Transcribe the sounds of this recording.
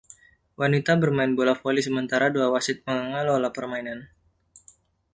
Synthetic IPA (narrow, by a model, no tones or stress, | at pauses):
wʔanit̪abərmaɪnbolafolisəmənt̪aɾaduawasɪt̪̚məŋəŋalolapərmainan